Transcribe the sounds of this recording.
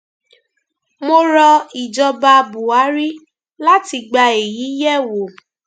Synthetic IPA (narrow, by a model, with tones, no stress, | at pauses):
mo˧ɾɔ˧i˨d͡ʒɔ˧ba˧bu˨a˨˦ɾi˦ | la˦ti˧ɡ͡ba˧e˨ji˨˦jɛ˦˨wo˨